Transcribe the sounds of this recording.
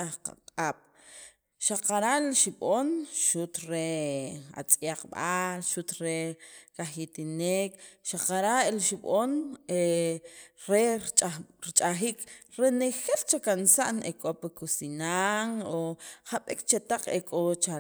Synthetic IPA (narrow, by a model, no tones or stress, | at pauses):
aχqa̰qʼaːɓ̥ | ʃaqaɾaʔlʃiɓonʃut̪ɾea̰t͡sʼjaq͡χɓalʃut̪ɾekaχjit̪ineːkʃaqaɾaʔelʃiɓone | ɾe | ɾit͡ʃʼaχiːkɾenexelt͡ʃakansaʔnekʼopakusinaŋoχaɓḭkt͡ʃet̪aq͡χekʼot͡ʃa